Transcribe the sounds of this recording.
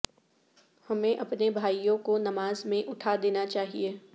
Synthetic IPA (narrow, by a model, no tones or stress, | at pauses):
hɐmẽʔɐpnebʱaːijõkonɐmaːzmẽʔʊʈʰad̪eːnat͡ʃaːɦieː